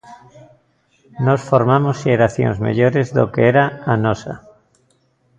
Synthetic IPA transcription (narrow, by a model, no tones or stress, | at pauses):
nosfoɾmamoseɾaθjo̰nzmḛʎoɾezðo̰keeɾaanosa̰